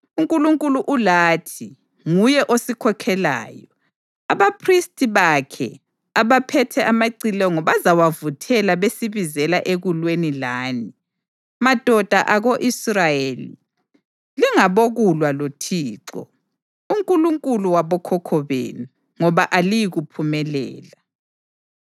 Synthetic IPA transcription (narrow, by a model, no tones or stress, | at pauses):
uŋkʼuluŋkʼuluʔulaːtʰi | ŋujɛʔosikʰɔkʰɛla̰ːjɔ | aβapʰristʼiβakʰɛ̰ | aβapʰɛtʰɛʔamaǀilɛɔŋɔβazawavutʰɛlaβesiβizɛlaʔeɣulwenilaːni | mad̥ʱɔd̥ʱaʔaɣoʔisrajelḭ | liŋaβoɣulwalotʰiːǀɔ̰ | uŋkʼuluŋkʼuluwaβɔkʰɔkʰɔβḛːni | ŋɔβaʔalijiɣupʰumɛlɛ̰ːla